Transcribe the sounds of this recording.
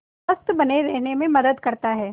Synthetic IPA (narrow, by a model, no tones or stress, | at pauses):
ɐst̪bɐneɾɛɦnemẽmɐd̪əd̪kɐɾt̪aɦɛː